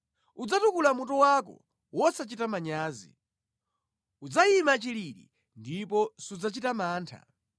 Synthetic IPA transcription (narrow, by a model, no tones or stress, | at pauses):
ud͡zatukulamutɔwakɔ̰ | wɔsat͡ʃitamaɲaːzḭ | ud͡zajimat͡ʃiliɾḭ | ndipɔsud͡zat͡ʃitamaːntʰa̰